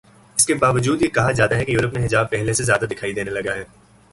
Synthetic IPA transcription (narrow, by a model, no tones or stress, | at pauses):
ɪskebaːʋəd͡ʒuːd̪jekɐɦãzjaːd̪aɦɛkejuːɾəpneɦɪzaːb̚pɛɦlesezjaːd̪ad̪ɪkʰaːid̪eːnelɐɡaɦɛː